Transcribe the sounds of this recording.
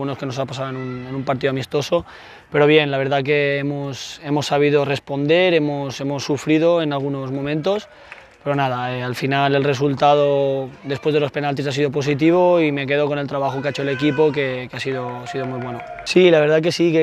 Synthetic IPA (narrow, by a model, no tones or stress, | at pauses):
ɣuno̞ske̞no̞s̬apasaðoenune̞nũmpaɾt̪̬iðoamist̪o̞so̞ | pe̞ɾo̞β̞je̞nlaβ̞e̞ɾðak̬e̞emose̞mo̞sːaβ̞ið̞o̞re̞spo̞nd̪e̞ɾe̞mose̞mosːufɾið̞o̞e̞nalɣ̞uno̞zmõ̞mẽnt̪o̞s | pe̞ɾo̞nað̞aealfinale̞lre̞s̬ult̪að̞od̪e̞spwe̞zðelo̞spe̞nalt̪̬isas̬iðo̞p̬o̞s̬it̪̬iβ̞o̞ime̞k̬e̞ð̞o̞ko̞ne̞lt̪ɾaβ̞axokeet͡ʃoele̞kipo̞ke̞keasiðoasiðo̞mwiβ̞we̞no | silaβe̞ɾðak̬e̞sike